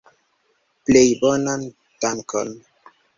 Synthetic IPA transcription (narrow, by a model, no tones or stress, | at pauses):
plejbɔnan | taŋko̰n